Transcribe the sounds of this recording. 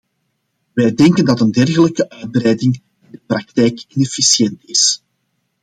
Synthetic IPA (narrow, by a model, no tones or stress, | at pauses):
ʋɛjdɛŋkəndɑtəndɛrɣələkəʔœːd̚bɾɛjdɪŋ | ɪndəprɑk̚tɛjkɪnɛfisjɛntɪs